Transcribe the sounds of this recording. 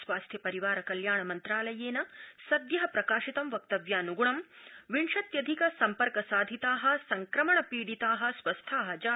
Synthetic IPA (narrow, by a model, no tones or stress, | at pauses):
sʋaːst̪ʰjɐpɐɾiʋaːɾɐkɐljaːɳɐmɐnt̪ɾaːlɐjeːnɐsɐd̪jɐɦɐpɾɐkaːʃit̪ɐmʋɐk̚t̪ɐʋjaːnuɡuɳɐmʋiɳʂɐt̪jɐd̪ʱikɐsɐmpɐɾkɐsaːd̪ʱit̪aːɦɐ̆sɐŋkɾɐmɐɳɐpiːɽit̪aːɦɐ̆sʋɐst̪ʰaːɦɐ̆d͡ʒaː